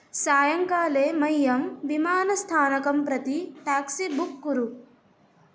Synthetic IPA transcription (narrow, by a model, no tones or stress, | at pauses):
saːjɐŋkaːleːmɐjːɐmʋimaːnɐst̪ʰaːnɐkɐmpɾɐt̪iʈaːksibukːuɾu